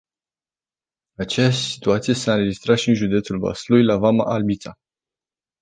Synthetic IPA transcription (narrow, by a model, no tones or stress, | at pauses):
at͡ʃejaʃsi̥t̪uat̪sije̞saɨnɾe̞d͡ʒist̪ɾat̪ʃiɨnʒud̪e̞t̪sulba̰sulujlavama̰ʔalbit̪sa